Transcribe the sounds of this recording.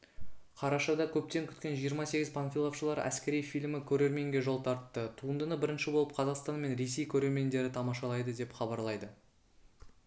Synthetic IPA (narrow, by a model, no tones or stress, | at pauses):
qʰɑɾɑʃɑd̪ɑkʲʰɵp̚t̪e̞ŋkʲʰʏ̥t̪kʲe̞nʒijəɾmɑse̞ɡʲɪzpʰanfʲilˠofʃəlˠɑɾæ̰skʲe̞ɾijfijlmɪkʲʰɵɾe̞ɾme̞ŋɡʲe̞ʒo̞lˠt̪ʰɑɾt̪ːət̪ʰuənd̪ənəbɪɾɪnʃɪbo̞lˠəp̚qʰɑzɑqst̪ɑnme̞nɾe̞s̬e̞jkʲʰɵɾe̞ɾme̞nd̪e̞ɾɪt̪ʰɑmɑʃɑlˠɑjd̪əd̪e̞pχɑbɑɾlˠɑjd̪ə